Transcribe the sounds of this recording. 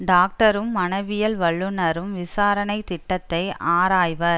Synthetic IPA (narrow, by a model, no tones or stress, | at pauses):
ɖaːk̚ʈɐɾɯmːɐnɐɪʋɪjɐlʋɐɭːɯnɐɾɯmʋɪsaːɾɐnɐɪt̪ɪʈːɐt̪ːɐɪaːɾaːjʋɐɾ